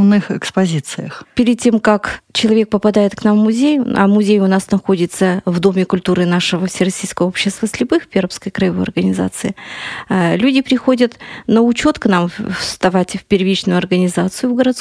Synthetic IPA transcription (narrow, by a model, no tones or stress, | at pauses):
vnɨxɛkspɐzʲit̪sɨjəxpʲɪɾʲɪd̪̚tʲːe̞mkakt͡ɕɪlˠɐvʲe̞k̚pəpɐd̪ajɪt̪knamːʊzʲejʔa̰mʊzʲejʊnasnɐxo̞dʲɪt̪səvd̪o̞mʲɪkʊlʲt̪uɾɨnaʂɨvəfsʲɪrɐsʲijskəvəo̞pɕːɪst̪vəsʲlʲɪbɨxpʲeɾəpskəjkɾɐjɪvojɐrɡənʲɪza̰t̪sɨɪalʲudʲɪpɾʲɪxo̞dʲət̪nəʊt͡ɕo̞t̪knamfst̪ɐvatʲfʲpʲɪrʲvʲit͡ɕnʊjʊɐrɡənʲɪzat̪sɨjʊvɡəɾɐt̪s